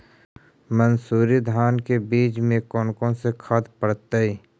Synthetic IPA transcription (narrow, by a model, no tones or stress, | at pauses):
mənsuːɾid̪ʱaːnkebiːt͡ʃmẽkɔnkõsekʰad̪pəɽt̪əi